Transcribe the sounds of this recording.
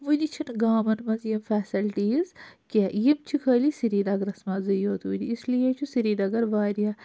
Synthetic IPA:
ʋunit͡ʃʰinɡaːmɐnmɐzjimfɛːsɐlʈiːzkʲeːjimt͡ʃʰikʰɐːlisiɾiːd̪ɐɡɐɾɐsmɐːzɐjoːt̪uːdiːslijet͡ʃʰusiɾiːd̪ɐɡɐɾʋaːɾija

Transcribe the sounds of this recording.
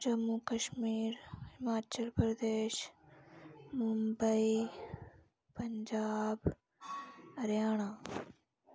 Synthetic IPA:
d͡ʒɐmːukɐʃmiːɾhɪmaːt͡ʃəlpɾɐd̪eːʃ | mʊmbəi | pɐɲd͡ʒaːb | ɐɾjaːɳ̃aː

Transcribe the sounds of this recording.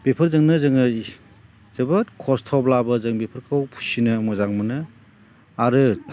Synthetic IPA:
b̥epʰɯɾzɯŋnɯzɯŋɯ | zɯbɐtkʰɔstʰɔblabɐzɯŋbepʰɯɾkʰɯwpʰu̥sinɐmɔzaŋmɯnɯ | aɾɯ

